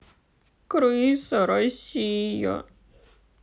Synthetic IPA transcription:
kɯɾuisoɾoɕijo̰

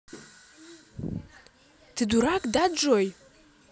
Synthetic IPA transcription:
d̥ʰɨduɾakʼdad͡ʒʼoj

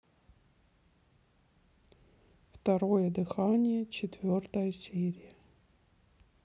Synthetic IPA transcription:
ft̪ɐɾo̞jəd̪ɨxanʲɪjət͡ɕɪt̪vʲo̞rt̪əjəsʲeɾʲɪjə

